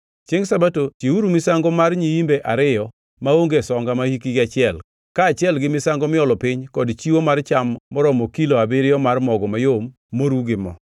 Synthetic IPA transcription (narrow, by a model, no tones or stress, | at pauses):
t͡ʃeŋsabatotjiuɾumɪsaŋɡɔmarɲiimbeʔaɾɪjɔ | maoŋɡesɔŋɡamahikiɡɪat͡ʃɪɛl | kaːt͡ʃɪɛlɡɪmɪsaŋɡɔmɪɔlɔpɪɲkɔdt͡ʃiwomart͡ʃamːɔɾɔmɔkiloabɪɾɪjɔmarmɔɡɔmajomː | oɾuɡɪmɔ̰